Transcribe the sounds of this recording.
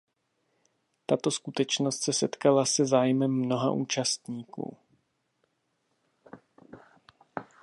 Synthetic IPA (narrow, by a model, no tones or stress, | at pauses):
t̪at̪o̞skut̪ɛt͡ʃno̞st̪sɛsɛt̪kalasɛzaːjmɛmːno̞ɦa̰ʔuːt͡ʃast̪ɲiːkṵː